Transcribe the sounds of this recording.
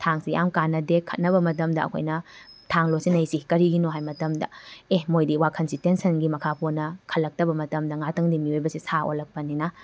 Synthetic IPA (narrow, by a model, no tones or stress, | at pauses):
tʰaŋsijamkanːɐdekʰɐt̚nɐβɐmɐt̬ɐmdɐɐ̰kʰo̰jnɐtʰaŋlosinɐjsikɐɾiɡinoɦajmɐtɐmdɐ̰ehmojdiwakʰɐnsitensɐnɡimɐkʰapʰuɾnɐkʰɐlːɐk̚tɐbɐmɐtɐmdɐŋatʰɐŋdimiojbɐsisao̰lːɐk̚pɐnina